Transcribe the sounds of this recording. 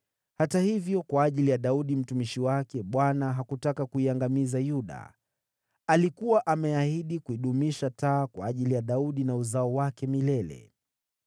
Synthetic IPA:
hatahivjɔkwaːʄilijaɗauɗim̩tumiʃiwakɛɓwanaɦakutakakuiaŋɡamizajuɗa̰ | alikuwaʔamɛahiɗikuiɗumiʃataːkwaːʄilijaɗauɗinauzaɔwakɛmilɛlɛ̰

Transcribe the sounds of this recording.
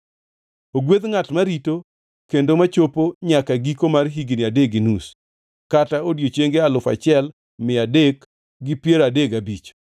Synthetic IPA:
oɡwed̪ŋatmaɾito | kendomat͡ʃopoɲakaɡikomarɦiɡiniadeɡɪnus | kataodjot͡ʃeŋɡealʊfa̰t͡ʃɪɛl | mɪadek | ɡɪpjeɾadeɡabit͡ʃ

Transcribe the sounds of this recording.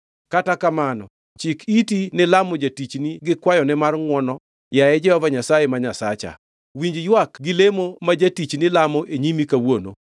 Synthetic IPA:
katakamanɔ̰ | t͡ʃikitinɛlamɔd͡ʒatit͡ʃniɡɪkwajɔnɛmarŋwɔnɔ | jajɛd͡ʒɛhɔvaɲasajemaɲasa̰t͡ʃa̰ | wiɲd͡ʒjwakɡɪlemomad͡ʒatit͡ʃnilamɔʔeɲimikawono̰

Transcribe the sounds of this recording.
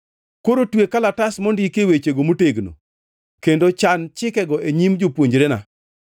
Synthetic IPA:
koɾotwekalatasmɔndikewet͡ʃeɡomoteɡno̰ | kendot͡ʃant͡ʃɪkɛɡɔʔeɲimd͡ʒopwoɲd͡ʒɾena̰

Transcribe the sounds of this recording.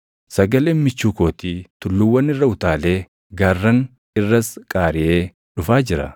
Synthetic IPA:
sɐɡɐleːnmɪt͡ʃːuːko̞ːt̪iːt̪ʊlːʊwːɐnɪrːɐʊt̪aːle̞ː | ɡarːɐn | ɪrːɐskʼaːɾɪʔe̞ː | ᶑʊfaːd͡ʒɪɾɐ̰

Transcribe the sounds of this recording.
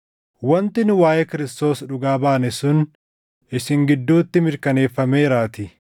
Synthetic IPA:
wɐnt̪ɪnwaːjɛkɪɾɪst̪o̞ːsᶑʊɡaːbaːnɪsʊn | ʔɪsɪŋɡɪd̪ːuːt̪ːɪmɪɾkɐne̞ːfːɐmeːɾaːt̪ɪ

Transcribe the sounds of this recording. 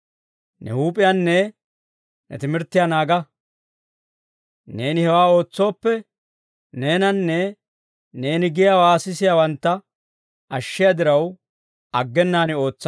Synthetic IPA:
nɛ̰huːpʼɪjanːɛ | nɛ̰t̪ɪmɪɾt̪ːɪjanaːɡɐ | ne̞ːnɪhɛwaːo̞ːt͡sːo̞ːpːɛ | ne̞ːnɐnːɛ | ne̞ːnɪɡɪjawaːsɪsɪjawɐnt̪ːɐ | ʔɐʃːɪjɐd̪ɪɾɐw | ɐɡːɛnːaːnɪo̞ːt͡sːɐ

